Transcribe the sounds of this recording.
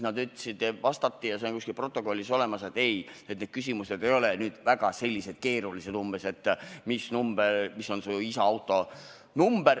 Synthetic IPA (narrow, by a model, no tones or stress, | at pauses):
nɑd̪yt̪ːˑɑ̥sid̪vɑst̪ɑt̪ːijɑsenkuskilpro̞t̪ːˑo̞ko̞lʲːiso̞le̞mɑse̞t̪ːe̞jet̪ned̥̪kys̬ʲimused̪e̞jo̞lenyːd̪̥væɡ̥ɑse̞lʲːise̞d̪̥̚ke̞ːɾulise̞d̪̥umbese̞t̪ːmisnumbermisːo̞nsuisɑɑwt̪ːˑo̞ | numb̥er